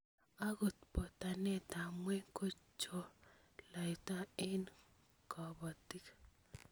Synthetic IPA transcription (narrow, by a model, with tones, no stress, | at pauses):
a˦ɡo˨t̪po˨t̪a˨nɛ˦t̪a˨mwɛ˦ko˦t͡ʃo˦ | la˨i˨t̪a˦ɪ˦n | kɔ˨bɔ˨t̪i˦k